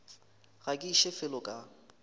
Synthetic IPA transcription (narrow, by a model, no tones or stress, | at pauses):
ɣakʼiʃɛfɪlɔkʼa